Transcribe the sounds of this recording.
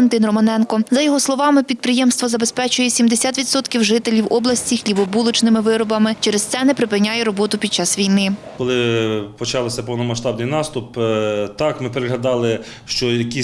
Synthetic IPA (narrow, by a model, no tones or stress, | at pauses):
nt̪ɪnrɔmɐnɛnkɔzɐjɔɦɔslˠɔʋɑmɪpʲid̪̚pɾɪjɛmst̪ʋɔzɐbe̞spɛt͡ʃʊjɛsʲimd̪esʲat̪ʋʲid̪sɔt̪kʲiwʒɪt̪elʲiwɔblˠɐsʲt͡sʲixlʲibɔbulˠʊt͡ʃnɪmɪʋɪɾɔbɐmɪt͡ʃɛɾest̪sɛnɛpɾɪpɪnʲːajɛɾɔbɔt̪ʊpʲid̪̚t͡ʃɑsʋʲijnɪ | kɔlˠɪpɔt͡ʃɑlˠɪsʲɐpɔwnɔmɐʃt̪ɑbnɨjnɑst̪ʊpt̪ɑkmɪpeɾɪɦɐd̪ɑlˠɪ | ʃt͡ʃɔjɐkʲi